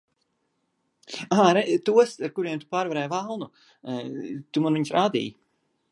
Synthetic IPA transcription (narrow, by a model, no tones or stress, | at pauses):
aːɾɛt̪uɔsaɾkuɾiɛmt̪u̥paːɾvaɾɛːjvalˠnu | t̪umanviɲsɾaːd̪ḭːj